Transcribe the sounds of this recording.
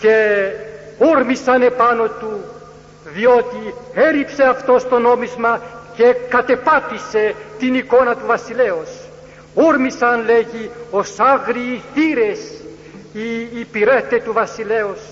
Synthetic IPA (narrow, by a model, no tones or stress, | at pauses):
ce̞ | uɾmisɐne̞pano̞t̪u | ðio̞t̪ieɾipse̞ɐft̪o̞st̪o̞no̞mizmɐce̞kɐt̪e̞pɐt̪ise̞t̪iniko̞nɐt̪uvɐsileos | oɾmisɐnleʝiosaɣɾiːθiɾes | iːpiɾet̪et̪uvɐsile̞os